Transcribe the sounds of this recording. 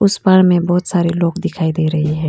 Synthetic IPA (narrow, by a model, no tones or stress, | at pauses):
ʊspaɽ̃mẽbɔːt̪saːɾeloːɡd̪ɪkʰaːid̪eːɾɐɦiɦɛ̃ː